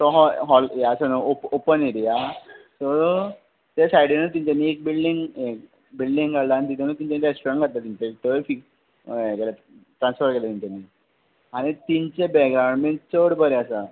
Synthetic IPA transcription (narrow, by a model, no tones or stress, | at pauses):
t̪ɔɦɔɦɔljasənoopopəniɾijat̪ɔ | t̪asajɽinət̪iɲt͡ɕanːiek̚bilɖiŋɡek | bilɖiŋɡɡaɽlaːnit̪it̪ʰanət̪iɲt͡ɕaniɾesʈoɾəɳʈkat̪lat̪iɲt͡ɕat̪eʋefik | kela | ʈɾãnsfəɾkelat̪iɲt͡ɕanːi | aɽ̃it̪iɲt͡ɕebɛɡɾaʋəɳmeɳʈ̚t͡səɽbəɾeasa